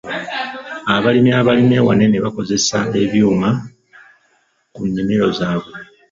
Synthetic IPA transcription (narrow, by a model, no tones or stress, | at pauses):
aβalimiaβalimiewane̞neβako̞ze̞sae̞βjuːma | kunːimiɾo̞zaːβe̞